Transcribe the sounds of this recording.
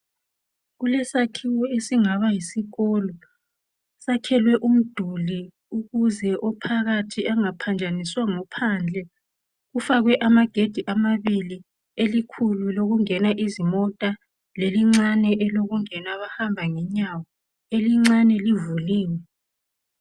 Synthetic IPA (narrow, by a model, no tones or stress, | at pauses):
ɣulɛsakʰiwɔesiŋaβajisiɣɔlɔ | sakʰɛlwɛʔum̩d̥ʱuli | uɣuzɛʔɔpʰaɣatʰiaŋapʰand͡ʒʱaniswaŋɔpʰand͡ɮʱɛ | ɣufaɣwɛʔamaɡ̥ʱed̥ʱiʔamaβili | elikʰululoɣuŋɛnaʔizimɔtʼa | leliŋ͡ǀanɛʔɛloɣuŋɛnaβahambʱaŋɛɲawɔ | eliŋ͡ǀanɛlivuliːŋɛ